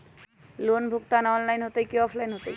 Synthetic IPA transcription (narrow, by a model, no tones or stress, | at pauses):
lonbʱukt̪anɔnlajnɦot̪əjkiɔpʰlajnɦot̪ə